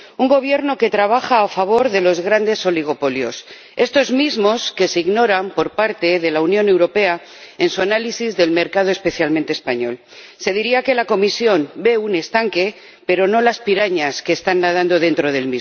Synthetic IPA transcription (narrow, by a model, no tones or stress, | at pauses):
uŋɡo̞β̞je̞ɾno̞ke̞t̪ɾaβ̞axaːfaβ̞o̞ɾðe̞lo̞zɣ̞ɾand̪e̞so̞liɣ̞o̞po̞ljo̞̰s | e̞st̪o̞zmizmo̞ske̞siɣno̞ɾampo̞ɾpaɾt̪e̞ðe̞launjõ̞ne̞wɾo̞pe̞a | ensuanalisizðe̞lme̞ɾkað̞o̞e̞spe̞θjalment̪espaɲo̞̰l | se̞ðiɾiake̞lako̞misjo̞nbe̞une̞st̪aŋke̞ | pe̞ɾo̞no̞laspiɾaɲaske̞ːst̪anːað̞and̪o̞ðe̞nt̪ɾo̞ð̞e̞lmiz